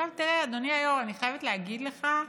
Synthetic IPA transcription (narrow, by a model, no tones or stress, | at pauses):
avt̪iʁead̪oniajo̞maniχajevetleaɡidle̞χa